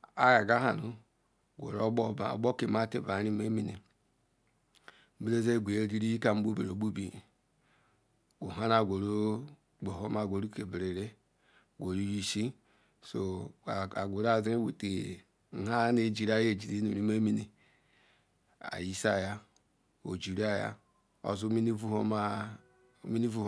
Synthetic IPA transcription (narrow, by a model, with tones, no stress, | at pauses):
a˦ja˨ɡa˦ɦa˨nu˨ | ɡʷo̰˨ɾo˦o̰˦˨ɡ͡bo˦ki˨ma˦te˦˨ba˨ɾi˦me˦mi˦nḛ˨˦ | bi˦e˦ze˦˨ɡʷe˨e˨ɡi˦ɾi˦ji˦ka˨m̩˦bu˦be˨ɾo˨bu˦bi˨ | ɡo˨ɦa˦na˦˨ɡʷo˨ɾo˦ | ɡ͡bo˨ɦo˦ma˦˨ɡʷo˨ɾu˦ke˨bɾe˨ɾe˦˨ | ɡʷo˨ɾu˦ji˦ʃi˦ | so˨a˨ɡʷo˨ɾa˦˨zɾe˦wu˨te˨˦ | ɦa˦ne˦˨d͡ʒi˨ɾa˦je˦˨d͡ʒi˨ɾi˦nṵ˨ɾi˦ma˦mi˦nḭ˨ | a̰˨ji˦sa˦ja˦ | o̰˨d͡ʒi˨ɾa˦ja̰˦ | o̰˨zu˦mi˦ni˦u˦a˦ | mi˦ni˦vu˦